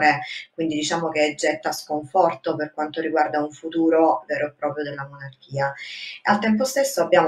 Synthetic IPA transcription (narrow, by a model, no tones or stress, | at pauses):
ɾekwind̪id̪it͡ʃaːmokeɛd͡ʒːɛt̪ːaskoɱfɔrt̪operkwant̪oɾiɡward̪auɱfut̪uːɾovɛːɾoepːɾɔːpɾjod̪elːamonark̟iːaealt̪ɛmp̬ost̪esːoabːjaːm